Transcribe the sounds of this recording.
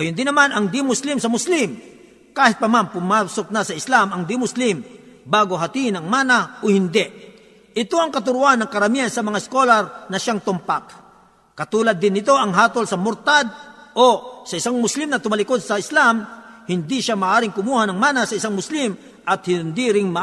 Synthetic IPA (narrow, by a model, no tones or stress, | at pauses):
ɡɐjʊnd̪ɪnɐmanɐŋd̪imʊslɪmsɐmʊslim | kaːhɪt̪̚pɐmanpʊmaːsok̚nɐsɐɪslamɐŋd̪imʊslɪmbaːɡo̞ɦɐt̪iʔɪnɐŋmaːnaʔohɪnd̪ɛʔ | ʔɪt̪o̞ʔɐŋkɐt̪ʊɾʊʔanːɐŋkɐɾɐmiɐnsɐmɐŋaɪskolɐɾnɐʃaŋt̪ʊmpak | kɐt̪uːlɐd̪ːɪnːɪt̪o̞ʔɐŋɦaːt̪olsɐmʊɾt̪ad̪̚osɐɪsaŋmʊslɪmnɐt̪ʊmalɪkod̪̚sɐɪslamhɪnd̪iʃamɐʔaːɾɪŋkʊmuːhanɐŋmaːnasɐɪsaŋmʊslim | ʔɐt̪̚hɪnd̪iɾɪŋmɐ